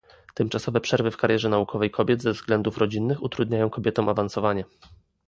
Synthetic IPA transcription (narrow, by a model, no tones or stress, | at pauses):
t̪ɛmt͡ʂasɔvɛpʂɛɾvɘfkaɾjɛʐɛnaukʰɔvɛjkʰɔbʲjɛd̪zɛvzɡlɛnd̪ufɾɔd͡ʑinːɘxut̪ɾud̪ɲajɔ̃w̃kɔbʲjɛt̪ɔ̃w̃ʔavansɔvaɲɛ